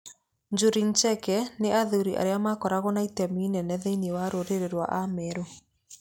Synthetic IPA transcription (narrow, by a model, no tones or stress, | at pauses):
nd͡ʒuɾint͡ʃɛkɛneʔaðuɾiʔa̰ɾeamakɔɾaɣɔnaitɛminɛnɛðeinewaɾoɾeɾeɾwa̰ʔamɛɾo